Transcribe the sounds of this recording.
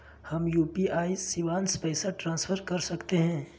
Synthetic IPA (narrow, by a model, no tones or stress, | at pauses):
hɐmjuːpiaːisiʋaːnspɛːsaʈɾãːnsfʰəɾkɐɾsɐkt̪eɦɛ̃ː